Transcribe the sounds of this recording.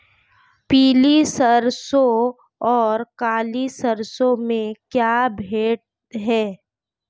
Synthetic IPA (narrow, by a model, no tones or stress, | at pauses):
piːlisəɾso | ɔːɾkaːlisəɾsõmẽkjaːbʱeːʈ̚ | ɦɛː